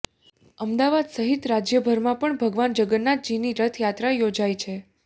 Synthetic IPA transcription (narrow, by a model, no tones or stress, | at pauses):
əmd̪aʋad̪səɦit̪ɾad͡ʒjəbʱəɾmãpəɳbʱəɡʋand͡ʒəɡənːat̪̚d͡ʒiniɾət̪ʰjat̪ɾajod͡ʒajt͡ʃʰe